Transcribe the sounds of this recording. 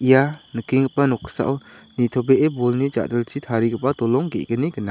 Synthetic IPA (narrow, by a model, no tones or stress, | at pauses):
ʔijanəkiŋɡəp̚ːanɔkʰsa̰ʔwnit̪ʰɔbeʔebɔlnid͡ʒa̰ʔdəlt͡ʃʰit̪ʰaɾiɡəp̚ʼːatɔlɔŋɡḛɡəniɡəna